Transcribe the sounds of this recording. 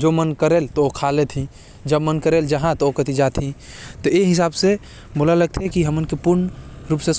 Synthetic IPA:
d͡ʒomənkəɾeːlt̪ookʰalet̪ʰĩ | d͡ʒəbmənkəɾeːld͡ʒəɦãt̪ookət̪id͡ʒaːt̪ʰĩ | t̪ɔeɦɪs̬aːbse | bolaləɡ̚t̪ʰeɛkiɦəmʊnkepʊɾnɾuːpses

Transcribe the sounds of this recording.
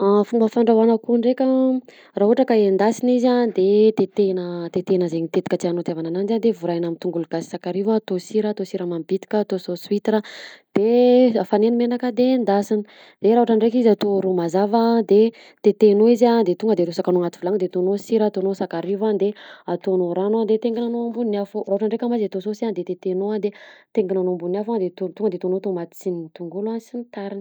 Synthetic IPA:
afumbəfaɳɖ͡ʐawanakuɳɖ͡ʐekʲə | raɦuaʈ͡ʂakaend̪asinizad̪et̪et̪enət̪et̪enəzeɲit̪et̪i̥kʲət͡s̪ianot̪javananand͡ʒand̪evuɾajnamint̪uŋɡuluɡasi̥sakaɾivaːt̪osiɾaːt̪osiɾəmambit̪i̥kʲaːt̪ososwit̪ɾad̪̥eafanenimenakəd̪end̪asini̥ | d̪̥eɾaɦuʈ͡ʂaɳɖ͡ʐekizat̪oɾumazavad̪e | t̪et̪enoizad̪et̪uŋɡəd̪eɾusakanoŋat̪i̥vulaŋd̪et̪onosiɾaːt̪onosakaɾivand̪eat̪onoɾanad̪et̪eŋɡinanombunnaforaɦuʈ͡ʂaɳɖ͡ʐekamazat̪ososiand̪et̪et̪enoad̪et̪eŋɡinanombunafad̪et̪ot̪uŋɡəd̪et̪onot̪omat̪t͡sinint̪uŋɡuluansinit̪aɾin

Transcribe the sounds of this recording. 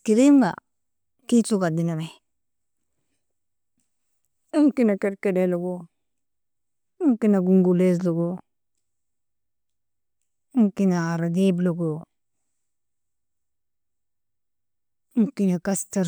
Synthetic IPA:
kiɾimba̰ | kituɡadiname | iŋkinakeɾkedeloɡo | iŋkinaɡuŋɡules̬loɡo | ŋkinaːɾadebloɡo | ŋkinakastaɾ

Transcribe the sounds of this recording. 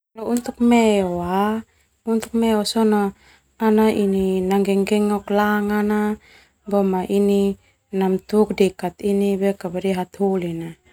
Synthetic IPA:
nount̪uk̚meoa | unt̪u̥k̚meosono | anaʔininaŋɡɛŋɡɛŋɔklaŋana | bomaʔini | namt̪uk̚dɛkat̪inibɛkabadiɦat̪hulina

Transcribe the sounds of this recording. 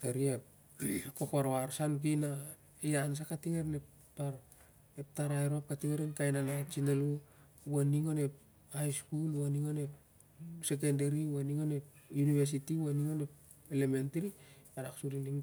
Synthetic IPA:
teɾiep | kokaɾoaɾsank̬ina | ians̬akatiŋeɾnep | taɾ | ep̚taɾajɾoap̚katiŋeɾenkajnanat͡ʃinelu | waniŋone̞p̚ | ajskulwaniŋonep | se̞k̬endeɾiwaniŋonepjuniβes̬itiwaniŋone̞p | elementeɾiaɾaksuɾiniŋ

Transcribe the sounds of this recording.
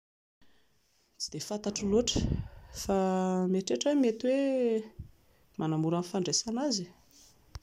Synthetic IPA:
t͡sid̪efat̪aʈ͡ʂiloʈ͡ʂə̥fameʈ͡ʂeʈ͡ʂəwemet̪we | manamuɾanifaɳɖ͡ʐesanazi̥

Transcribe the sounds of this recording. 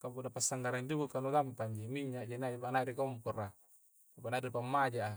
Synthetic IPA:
kapunapasːaŋɡaɾaɲd͡ʒuɡukanudampaɲd͡ʒimiɲːaʔd͡ʒinad͡ʒipanaɾikɔmpɔra | apanadipamːad͡ʒaʔa

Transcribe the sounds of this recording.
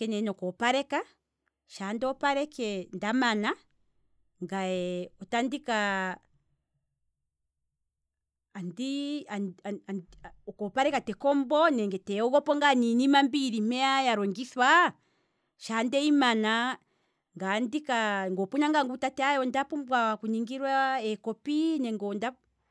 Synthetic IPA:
kɛnɛnɔkɔpaɾɛka | ʃandɔpaɾɛkɛndamana | ŋɡaɛɔtandika | ndiaa | ɔkɔpaɾɛkatɛkɔmbɔnɛŋɡɛtɛɔɣɔpɔŋɡaninimambiɾim̥ɛajaɾɔŋɡiswa | ʃandɛimana | ŋɡandikaŋɡɔpuɲaŋɡaŋɡutatɛajɔndapumbwakuɲiŋɡiɾwaɛkɔpinɛŋɡɔnda

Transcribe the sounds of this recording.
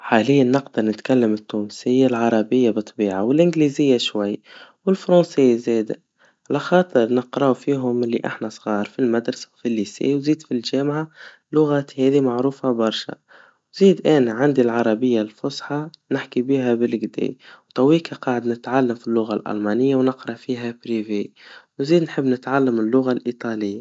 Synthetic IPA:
ħaːlɪjːanːɪqd̪ɨɾˤnɪt̪kalːamɪt̪ːuːnsɪjːalʕɑɾˤɑbɪjːabɨt̪ˤːbiːʕawɪlʔɪnɡlizɪjːaʃwajːwɪlfɾˤɑːseːzeːd̪a | ʕalaxɑːt̪ˤɨɾˤnəqɾˤɑwfiːɦʊmɪlːḭʔa̰ħnasˤɣɑːɾˤfilmad̪ɾˤɑsḁwfilːisɛ̰ːwziːd̪filʒæːmʕa | lʊɣat̪hɛːðimaʕɾuːfabɑɾˤʃa̰ | z̥iːd̪ʔæːnæʕand̪ilʕɑɾˤɑbɪjːalfʊsħɑnɪħkibiːɦæbɪlɡd̪ḛːwt̪ˤɑwiːkaqɑːʕəd̪nɪt̪ʕalːəmfilːʊɣalʔɑ̰lmɑnɪjːawnəqɾˤɑʔfiːɦæbɾivewnziːd̪nħəbːnɪt̪ʕalːəmɪlːʊɣalʔit̪ˤɑlɪjːa

